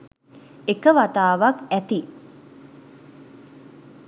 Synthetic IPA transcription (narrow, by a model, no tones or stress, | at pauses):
ekəʋat̪aːʋakæt̪i